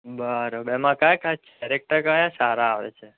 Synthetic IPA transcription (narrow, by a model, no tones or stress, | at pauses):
bəɾobɛmãkajkʰast͡ʃʰɾek̚ʈəɾkajãsaɾaːʋḛt͡ʃʰe